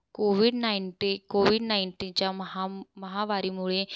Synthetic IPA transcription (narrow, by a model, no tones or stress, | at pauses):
koːʋɪɖnaːɪnʈikoːʋɪɖnaːɪnʈiːnt͡ʃaːɦməɦaːʋaːɾiːmuːɭeː